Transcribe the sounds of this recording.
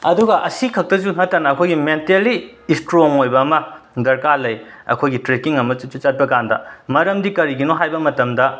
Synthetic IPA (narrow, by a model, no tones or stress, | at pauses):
ɐduɡɐʔɐsikʰɐk̚tɐzunɐtːanɐːkʰojɡimenteliːstɾoŋojbɐːmɐdɐɾkalɐjɐ̰kʰojɡitɾekiŋɐmɐt͡ʃut͡ʃut͡ʃat̚bɐɡandɐ̰mɐɾɐmdikɐɾiɡinoɦajbɐmɐtɐmdɐ